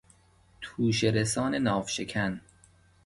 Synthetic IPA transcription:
t̪ʰuːʃeɾesɒːne̞nɒːfʃekʰæn

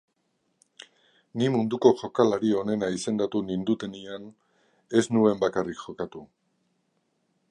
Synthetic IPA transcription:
nimund̪uko̞ʝo̞kalaɾio̞ne̞naise̞nd̪at̪unind̪ut̪e̞nian | e̞snue̞mbakarikʝo̞kat̪u

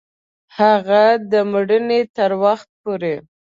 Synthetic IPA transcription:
haɣad̪əməɽənet̪əɾwaxt̪̚poɾe

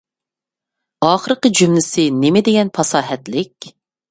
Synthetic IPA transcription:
ɑːχəɾqəd͡ʒymlɪsɪnɪmɪd̪eɡʲɛnpʰɑsɑːɦɛt̪lɪkʲ

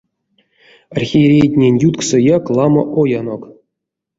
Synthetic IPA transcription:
arxʲieɾʲejtʲnʲenʲjut̪ksɨjɑklˠɑmɤʔojanok

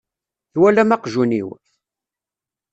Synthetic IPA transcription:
θwælæmæqʒuniw

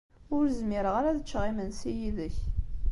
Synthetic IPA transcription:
ʊɾzmɪɾəʁaɾæðət͡ʃːʁimənsijiðəç

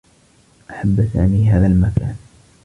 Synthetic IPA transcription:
ʔaħabːsa̰ːmiːɦaːðalmakaːn

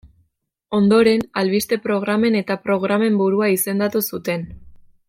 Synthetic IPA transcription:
o̞nd̪o̞ɾe̞nalβist̪e̞pɾo̞ɣ̞ɾame̞ne̞t̪apɾo̞ɣ̞ɾame̞mbuɾuaise̞nd̪at̪usut̪e̞n

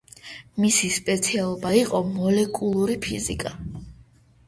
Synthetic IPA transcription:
misispʼɛt̪sʰialˠɔbaiqʼɔmɔlɛkʼulˠuɾipʰḭzḭkʼa

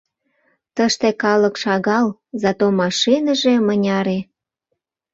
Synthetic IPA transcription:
t̪əʃt̪ekɑlə̆kʃɑɣɑlzɑt̪omɑʃinəʒe̽mənʲɑɾe

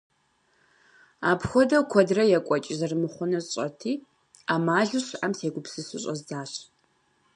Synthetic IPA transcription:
aːpʰxʷɔdɐkʷʰɔdrɐjɛkʷʼɔt͡ʃʼɪzɐrɨmɨχʷʊnɐɕʼɐ̰tʰiː | aːmaːɮɨɕamseːɡʷʊpsɨsɨɕʼɐzzaːɕ

